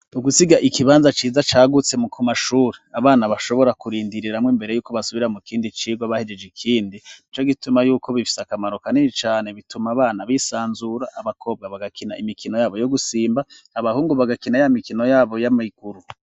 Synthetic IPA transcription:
uɡusiɡaʔikiβaːnzat͡ʃiːzat͡ʃaːɡut͡se̞mukʰumaʃuːɾeaβaːnaβaʃo̞βo̞ɾakuɾiːndiɾiɾamŋiːmbe̞ɾe̞juːkoβasuβiɾamukiːndit͡ʃiːɡwaβahed͡ʒed͡ʒikʰiːndinit͡ʃoɡitumajuːkʰo̞βifi̥sakamaɾokaninit͡ʃaːne̞βitumaːβaːnaβisaːnzuɾaʔaβakʰo̞ːb̚ɡaβaɡakʰinaimikʰino̞jaːβo̞jo̞ɡusiːmbahaβahuːŋɡoβaɡakinajamikino̞jaːβo̞jamiɡ̥uɾu

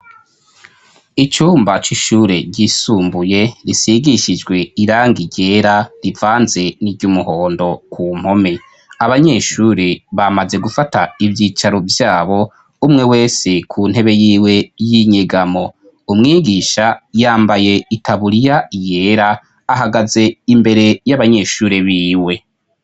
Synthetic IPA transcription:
it͡ʃuːmbat͡ʃiʃuːɾe̞ɟisuːmbuje̞ɾisiɡiʃid͡ʒɡwe̞iɾaːŋɡiɟe̞ɾaɾivaːnze̞niɾɟumuho̞ːndo̞kʰuːm̥ho̞me̞ | aβaɲe̞ʃuːɾiβamaze̞ɡufataivjiːt͡ʃaɾo̞vjaːβo̞ | umŋe̞we̞ːse̞kʰuːn̥he̞βe̞jiːwe̞jiɲeɡamo̞ | umŋiːɡiʃajaːmbaje̞itʰaβuɾijaije̞ːɾaː | ɦaɡaze̞imbe̞ɾe̞jaβaɲe̞ʃuːɾeβiːwe̞

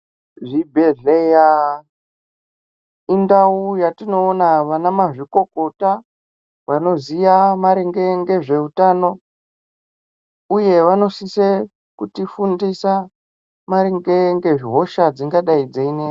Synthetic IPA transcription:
ʐibʱe̞ɮeja | indaujatino̞ːnaʋanamaʐiko̞ko̞ta | ʋano̞zijamaɾeŋɡe̞ŋɡe̞ʐe̞utaːno̞ | uje̞ʋano̞sise | kutifundisa | maɾeŋɡeŋɡe̞ʐiɦo̞ʃad͡ziŋɡaɗaid͡zeine

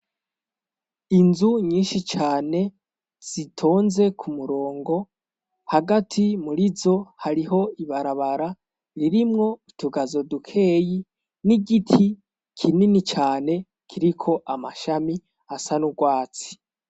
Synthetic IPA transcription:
inzuɲiːnʃit͡ʃaːne̞ | z̥itʰo̞ːnze̞kʰumuɾo̞ːŋɡo̞ | haɡatʰimuɾizo̞haɾiɦo̞iβaɾaβaɾa | ɾiɾimŋo̞itʰuɡazodukʰe̞ːji | niɡitʰi | kʰininit͡ʃaːne̞ | kʰiɾikʰo̞ʔamaʃami | asanuɡwaːt͡si̥

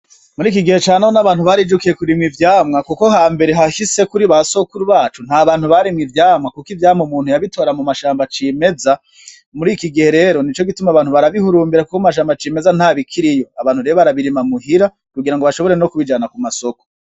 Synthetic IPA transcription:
muɾiːkiɡihe̞t͡ʃaːnahonaβaːnhuβaɾid͡ʒukije̞kuɾimŋivjaːmŋakuko̞ɦaːmbe̞ɾe̞ɦaʃise̞kuɾiβaso̞kuɾuβaːt͡ʃun̥aːβaːn̥huβaɾimŋivjaːmŋakukivjaːmomuːn̥hujaβitʰo̞ːɾamumaʃaːmbat͡ʃiːme̞za | muɾiːkiɡihe̞ɾe̞ːɾo̞nit͡ʃo̞ɡitumaβaːn̥huβaɾaβihuɾuːmbiɾakukoumaʃ̬aːmbat͡ʃiːme̞zan̥haːβikʰiɾijo̞aβaːn̥huɾeoβaɾaβiɾimamuɦiɾa | kuɡiɾaŋɡoβaʃo̞βoɾe̞no̞kuβid͡ʒanakumaso̞ko̥

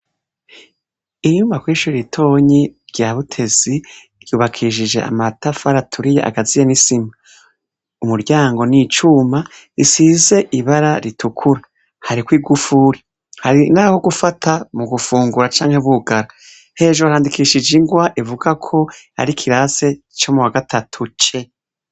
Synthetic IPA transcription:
iɲuːmvakwiːʃuɾiitʰo̞ɲiɾɟaβutʰe̞zi | ɾjuːβakʰiʃ̬id͡ʒe̞̰ʔa̰matafaɾatʰuɾijeʔa̰ɡazijenisima | umuɾɟaːŋɡo̞nit͡ʃuma | isize̞ʔiβaɾaɾitʰukʰuɾa | haɾikwiːɡufuɾi | haɾinaho̞ɡufatʰamuɡufuːŋɡuɾat͡ʃaːŋhe̞βuɡaɾa | he̞ːʒoɾaːndikiʃid͡ʒiŋɡwaʔivuɡakʰo̞a̰ɾikʰiɾaze̞ | t͡ʃo̞muwaɡatʰatʰut͡ʃe̞

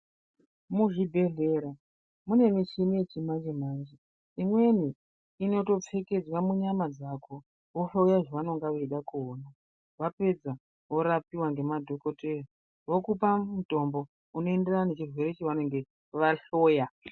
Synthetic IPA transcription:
muʐibʱe̞ɮe̞ɾa | mune̞miʃimije̞t͡ʃimand͡ʒemaːnd͡ʒi | imwe̞ni | ino̞to̞p͡fe̞ke̞d͡zwamuɲamad͡zakʰo̞ | ʋofaujaʐaʋano̞ŋɡaʋeiɗakuona | ʋape̞d͡za | ʋo̞ɾapiwaŋɡe̞madʱo̞ko̞tera | ʋokupamuto̞mbo̞ | uno̞e̞nderaanet͡ʃirwe̞ɾe̞t͡ʃeʋanoŋɡe̞ | ʋaɬoːja

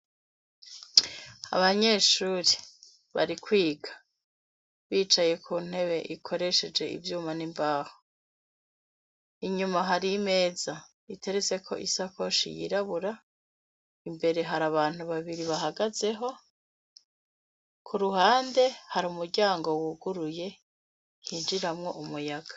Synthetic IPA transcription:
a̰βaɲe̞ːʃuːɾe | βa̰ɾikwiːɡḁ | βiːt͡ʃaje̞kʰuːn̥e̞βe̞ʔikʰo̞ɾe̞ʃe̞d͡ʒe̞ḭvjuːmanimbaːho | iɲumaɦaɾime̞ːza | itʰe̞ɾet͡se̞kʰo̞̰ʔisako̞ʃḭjḭɾaβuɾa | imbe̞ɾe̞ɦaɾaβaːn̥uβaβiɾiβaɦaɡaze̞ɦo̞ | kʰuɾuhaːnde̞haɾuːmuɾɟaːŋɡo̞wuɡuɾuje̞ | hiːnd͡ʒiɾamŋo̞ʔumujaɡ̥ḁ

